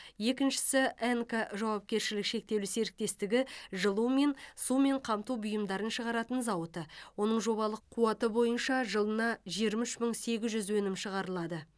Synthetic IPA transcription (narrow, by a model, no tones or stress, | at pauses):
je̞kʲɪnʃɪ̥sɪeŋkaʒɑwɑp̚kʲe̞ɾʃɪlɪkʃe̞k̚t̪e̞wlɪse̞ɾɪk̚t̪e̞st̪ɪɡʲɪʒəlˠume̞nsume̞ɴqʰɑmt̪ubʊjəmd̪ɑɾənʃəʁɑɾɑt̪ənzɑwət̪əwo̞nəɴʒo̞βɑlˠəqʰːuɑt̪əbo̞jənʃɑʒəlˠənɑʒeɾmɪʃməɴse̞ɡʲɪzʒʏzwɵnɪmʃəʁɑɾəlˠɑd̪ə